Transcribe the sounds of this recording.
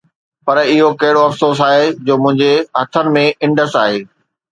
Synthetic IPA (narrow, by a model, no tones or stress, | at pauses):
pɐɾɪɦokɐɦɪɽoɐfsoːs̬aːɦed͡ʑoːmʊ̃ɦɪ̃ɲd͡ʑeɦɐt̪ʰənɪ̆mẽɪ̃ɳɖəsaːɦeː